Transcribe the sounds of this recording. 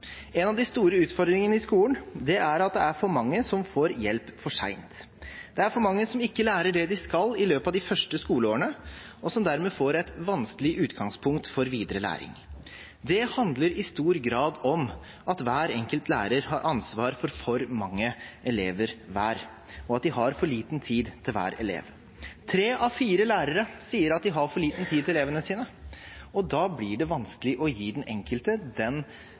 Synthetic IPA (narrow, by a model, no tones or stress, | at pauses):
ɛnɑʋd̪ɪst̪uːɾəʉːt̪fɔɾd̪ɾɪŋənəɪskuːlənd̪ɛʔæɾɑt̪̚d̪ɛæɾfɔɾmɑŋːəsɔmfoːɾjɛlpfɔʂæ̰ɪnt̪ | d̪̥ɛæɾfɔɾmɑŋːəsɔmɪkːəlæːɾəɖɛd̪ɪskɑlːɪløːpɑʋd̪ɪfœʂʈəskuːləoːɾəɳəɔsɔmd̪æɾmɛːfoːɾɛɪt̪ʋɑnskəlɪʉːt̪ɡɑŋspʰʊŋk̚t̪fɔɾʋiːd̪əɾəlæ̰ːɾɪ̰ŋ | d̪ɛhɑnd̪ləɾɪst̪uːɾɡɾɑːd̪ɔm | ɑt̪ʋæːɾɛŋkəlt̪ʰlæ̰ːɾəɾhɑɾʔɑnsʋɑːɾfɔɾfɔɾmɑŋːəɛleːʋəɾʋæːɾ | ɔɑt̪̚d̪ɪhɑɾfɔɭiːt̪nt̪ʰiːd̪t̪ʰɪlʋæ̰ːɾɛ̰lḛːʋ | t̪ʰɾeːʔɑʋfiːɾəlæːɾəɾəsiːəɾɑt̪̚d̪ɪɦɑɾfɔɭiːt̪n̩t̪ʰiːd̪̚ʰɪleːʋənəsiːnəɔd̪ɑːblɪɖɛʋɑnskəlɪʔɔjiːd̪ɛnɛŋkəlt̪əd̪ɛn